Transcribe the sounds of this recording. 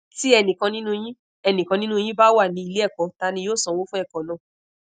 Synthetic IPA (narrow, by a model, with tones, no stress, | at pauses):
ti˦ɛ˧nĩ˨kã˧nĩ˦nũ˦˧j̃ĩ˦ | ɛ˧nĩ˨kã˧nĩ˦nũ˦˧j̃ĩ˦ba˦wa˦˨nĩ˨˦i˧le˦ɛ˦˨kɔ˨˦ta˧nĩ˧joː˦˨sɔ̃˨wo˦fũ˦ɛ˦˨kɔ̃˨nã˨